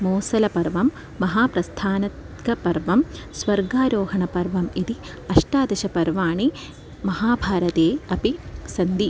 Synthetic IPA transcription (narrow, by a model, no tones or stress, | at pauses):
moːsɐlɐpɐɾʋɐmː | ɐɦaːpɾɐst̪ʰaːnɐt̪ | ɡɐpɐɾʋɐm | sʋɐɾɡaːɾoːɦɐɳɐpɐɾʋɐmid̪i | ɐʂʈaːd̪ɐʃɐpɐɾʋaːɳi | mɐɦaːbʱaːɾɐt̪eːɐpisɐnd̪i